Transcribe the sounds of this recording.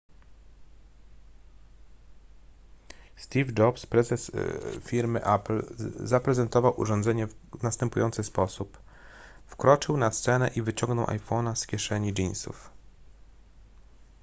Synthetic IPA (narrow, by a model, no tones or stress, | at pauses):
st̪ʲivd͡ʐɔpspɾɛzɛsfʲiɾmɘʔaplzapɾɛzɛnt̪ɔvawʔṵʐɔnd̪zɛɲɛnast̪ɛmpujɔnt̪sɘspɔsup | fkɾɔt͡ʂɘwnast̪sɛnɛʔivɘt͡ɕɔŋɡnɔwʔa̰jfɔnaskʲɛʂɛɲid͡ʒinsṵf